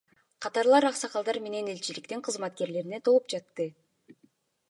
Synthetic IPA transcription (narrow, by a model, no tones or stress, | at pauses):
qʰɑt̪ɑɾlˠɑɾɑqsɑqɑlˠd̪ɑɾme̞ne̞ne̞lʲt͡ʃilikt̪eɴqʰɯzmɑt̪̚ke̞ɾle̞ɾine̞t̪ʰo̞lˠup̚d͡ʒɑt̪ːɯ